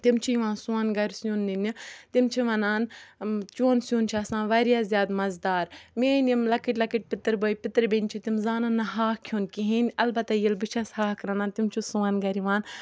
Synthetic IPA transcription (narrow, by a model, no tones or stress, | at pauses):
t̪imt͡ʃʰijiʋãːnsuaːnɡɐɾʲsuːnːinit̪imt͡ʃʰiʋɐnaːnt͡ʃoːnsjuːnt͡ʃʰɐsãːʋɐɾjaːzʲjaːd̪mɐzd̪aːɾmeːnimlɐkiʈʲlɐkiʈ̚ʲpɪt̪ɾboːipɪt̪ɾbenʲt͡ʃʰit̪imzaːnanːɐɦaːhkʰjoːnkiɦinʲɐlbɐt̪ajilbɨt͡ʃʰɐshaːhkɾɐnaːnt̪imt͡ʃʰusuaːnɡɐɾiʋãːn